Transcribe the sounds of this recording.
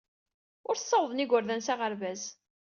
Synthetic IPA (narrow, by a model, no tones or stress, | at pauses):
ʊɾθsˤːɑwðˤəniɡʷʊɾðænsaʁəɾvæz